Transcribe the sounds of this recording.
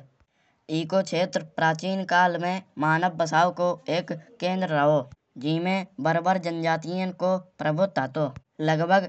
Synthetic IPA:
iːkoːt͡ʃʰeːt̪ɾpɾaːt͡ʃiːnkaːlmẽmaːnəb̚bəsaːokoeːkːẽːnd̪ɾːəɦoː | d͡ʒiːmẽbəɾbəɾd͡ʒənd͡ʒaːt̪ijə̃kopɾəbʱʊt̪aːt̪oː | ləɡbʱəɡ

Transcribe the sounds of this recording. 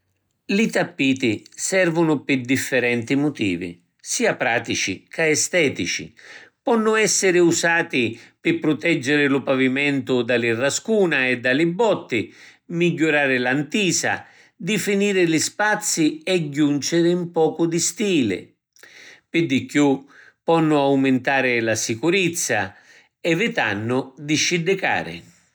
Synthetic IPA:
lit̪apːiːt̪isɛrvʊnʊpɪd̪ifːɪɾɛnt̪imʊt̪ḭːvḭ | siːapɾaːt̪it͡ʃḭkʰaɛst̪ɛːt̪it͡ʃḭpɔnːʊɛsːɪɾɪusaːt̪ipɪpːɾʊt̪ɛd͡ʒːɪɾɪlʊpavimɛnt̪ʊd̪alirːaskuːnaɛd̪ːalɪbːɔt̪ːimiɟːʊɾaːɾɪlant̪iːsa̰ | d̪ɪfiniːɾɪlispat̪sːiɛɟːunt͡ʃɪɾɪmpɔːkʊd̪ist̪iːlɪ̰ | pɪd̪ːikju | pːɔnːʊawmɪnt̪aːɾɪlasikuɾɪt̪sːa̰ | ɛvɪt̪a̰nːʊd̪iʃːid̪ːɪka̰ːɾɪ̰

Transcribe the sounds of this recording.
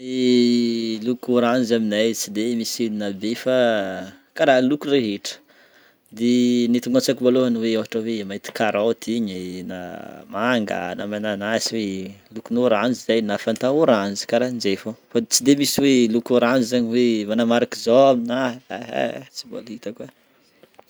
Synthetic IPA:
e | lukuɾanzaminajt͡sid̪emisilinabefa | kaɾaɦlukureɦeʈ͡ʂə̥ | d̪enit̪uŋɡat͡sakivoloanweaɦaʈ͡ʂawemait̪i̥kaɾat̪ʰiɲina̰maŋɡa̰namananasiwelukunoɾand͡ʒizajnafant̪auɾanzi̥kaɾaɦind͡ʒefofat͡sid̪emisiwelukuɾand͡ʒizaɲiwemanamaɾakizoamina̰ɦɛ̰t͡sibo̰lit̪aka

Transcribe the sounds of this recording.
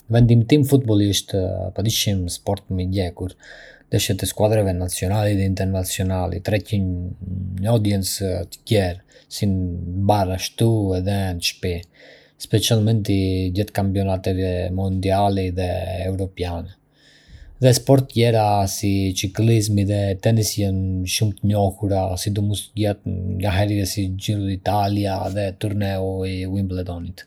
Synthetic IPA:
vɛnd̪imt̪imfut̪̚bɔlˠiʃt̪pad̪iʃimspɔɾt̪məɟɛkuɾd̪ɛʃɛt̪ɛskwad̪ɾavɛnat͡siɔnaliðɛint̪ɛɾnat͡siɔnalḭt̪ɾɛcin | ɲəɔd̪jɛnt͡st̪ə̥cɛɾsinbaraʃt̪uɛðɛnʃpɛ | spɛt͡ʃalˠmɛnt̪idɛt̪kampjɔnat̪ɛvɛmund̪ialɛðɛːvɾɔpjanɛ | ðɛspɔɾt̪ːjɛɾasit͡ʃiklizmiðɛt̪ɛnisjɛnʃumt̪əɲɔhuɾasid̪umust̪ɟɛt̪ŋɡaɦɛɾiɛsid͡ʒiɾuit̪alijaðɛt̪uɾnɛuiwimblɛd̪ɔnit̪

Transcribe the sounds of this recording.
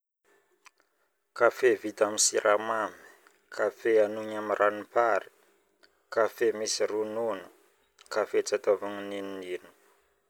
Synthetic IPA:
kafevit̪amisiɾʔamami̥ | kʰafeanuɲamirʔanipaɾi̥ | kafemisirununu | kafet͡sat̪ovuŋininininu̥

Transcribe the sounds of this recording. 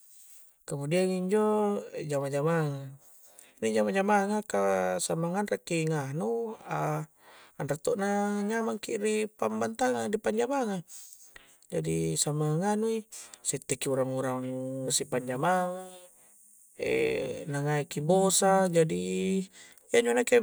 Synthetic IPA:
kamudiaŋiɲd͡ʒod͡ʒamad͡ʒamaŋa | nid͡ʒamad͡ʒamaŋakasamaŋanrakːiŋahnua | anrat̪oʔnaɲamaŋkiɾipambant̪aŋandipaɲd͡ʒamaŋa | d͡ʒadisamaŋanuisit̪ːekiuɾaŋuɾaŋsipaɲd͡ʒamaŋa | ḛnaŋaikibosad͡ʒadi | jaɲd͡ʒonake

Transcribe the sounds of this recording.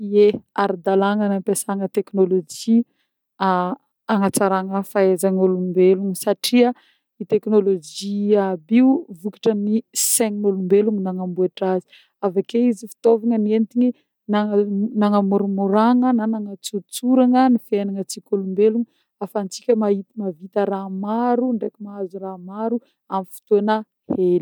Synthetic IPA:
ieaɾid̪alaŋənampasaŋət̪eknolod͡ʒi | a | aŋat͡saɾaŋəfaezaŋolumbeluŋsaʈ͡ʂiə | it̪eknolod͡ʒiabiuvukḁʈ͡ʂəniseŋnolumbeluŋinaŋambuaʈ͡ʂazi̥ | avakeizifi̥t̪ovaŋənent̪iɲi | nanaŋəmoɾumoɾaŋənanaŋət͡sut͡suɾaŋənifenaŋət͡sikolumbeluŋi | afant͡si̥kʲəmahit̪imavit̪əɾamaɾuɳɖ͡ʐekimaazuɾamaɾu | amifi̥t̪uanə | heli̥

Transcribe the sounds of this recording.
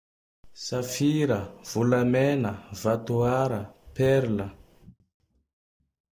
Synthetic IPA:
safiɾəv̥ulamɛnəvat̪uaɾəpɛɾlə

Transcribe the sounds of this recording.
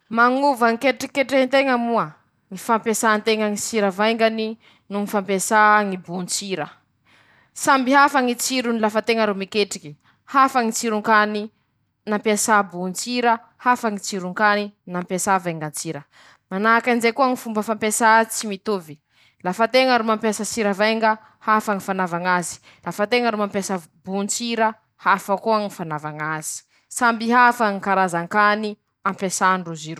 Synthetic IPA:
maŋuvaŋikeʈ͡ʂikeʈ͡ʂeɦint̪eŋəmuə | ŋifampesant̪eŋəŋit͡siɾəvajŋɡani | nuŋifampesaŋibunt͡siɾə | sambiɦafəŋit͡siɾunilafət̪eŋəɾomikeʈ͡ʂiki̥ | hafəŋit͡siɾuŋkani | nampesabunt͡siɾə | hafəŋit͡siɾuŋkaninampesavajŋɡant͡siɾə | manakand͡ʒekuaŋifumbəfampesat͡simit̪uvi | lafət̪eŋəɾumampjesasiɾəvajŋɡə | hafaŋifanavaŋazi̥ | lafat̪eŋəɾumampesa | bunt͡siɾə | hafəkuaŋifanavaŋaz̥i̥ | sambiɦafaŋikaɾazaŋkani | ampesaɳɖ͡ʐuziɾu

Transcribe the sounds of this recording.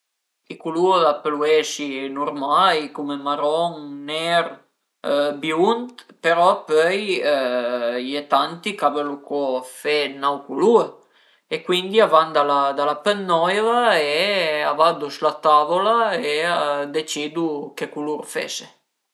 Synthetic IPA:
ikuluapeluɛʃinurmajkumemaɾɔŋnɛɾ | bjunt̪peɾɔpøj | jet̪ant̪ikavelukʰɔfenawkulu | ekwind̪iavand̪alad̪alapənːɔjvaeavad̪uslat̪avolaead̪et͡ʃid̪ukekuluɾfḛse

